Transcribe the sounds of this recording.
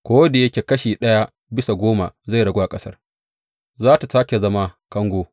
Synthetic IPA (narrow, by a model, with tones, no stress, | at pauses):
kʷoː˦wde˨jɐ˦kʲeː˨kɐ˦ʃiː˨ɗɐ˦ja˦ | bɪ˦sa˨ɡʷoː˦ma˨za˦˨jɽɐ˨ɡʷo˦ʔa˨kʼɐ˦sɐ˦r | zaː˦ta˨saː˦kʲe˨zɐ˦ma˦kɐ˦ŋɡʷoː˦